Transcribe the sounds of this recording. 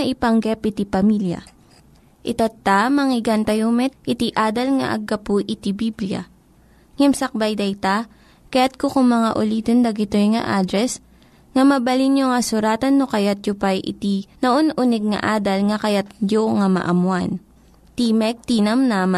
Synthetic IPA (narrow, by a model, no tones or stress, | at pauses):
ɐʔɪpɐŋɡɛpɪt̪ipɐmiljɐ̰ | ʔɪt̪at̪ːamɐŋɪɡant̪ɐjomɛt̪̚ʔɪt̪iʔaːd̪ɐlŋɐ̰ʔɐ̰ɡːɐpuʔɪt̪ibiblijɐ̰ | ŋɛmsɐk̚bajd̪ɐjt̪a | kɐjat̪̚kokʊŋmɐŋaʔʊliːd̪ond̪ɐɡɪt̪ojŋɐ̰ʔaːd̪ɾɛs | ŋɐmɐbɐlinjoŋɐsʊɾaːt̪ɐnːokɐjat̪̚jʊpajʔɪ̰t̪inɐʔonʔunɛɡ̚ŋɐ̰ʔaːd̪ɐlŋɐkɐjat̪̚joŋamɐ̰ʔɐmwan | t̪imɛk̚t̪inɐmnama